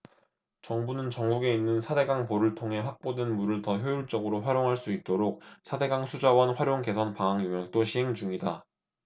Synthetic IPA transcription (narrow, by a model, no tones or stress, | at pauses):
t͡ɕʌŋbunɯnt͡ɕʌŋɡuɡe̞inːɯnsʰade̞ɡaŋpoɾɯɭtʰoŋɦe̞ɸak̚p͈odenmuɾɯɭtʌçjojuɭt͡ɕ͈ʌɡɯɾoɸwaɾjoŋɦaɭs͈uit̚t͈oɾok̚sʰade̞ɡaŋsʰud͡ʑawʌnɸwaɾjoŋke̞sʰʌnpaŋɦaŋjoŋjʌk̚t͈oɕʰiɦe̞ŋd͡ʑuŋida